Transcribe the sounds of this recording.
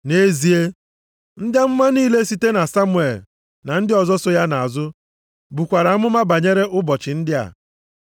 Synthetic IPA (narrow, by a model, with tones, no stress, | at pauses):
ne˦zi˨e˦ | n̩˦dja˦m̩˦mʷa˦niː˦le˦si˦te˦na˨sa˦mʊ˨˦e˨l | na˨n̩˦dɪ˦ɔ˨zɔ˦sʊ˦ja˦na˨a˨zʊ˦ | bu˨kʷa˨ɾa˨˦a˦mʊ˦ma˦ba˨ɲe˦ɾe˦ʔʊ˦bɔ˨t͡ʃɪ˨n̩˦dɪ˦a̰˨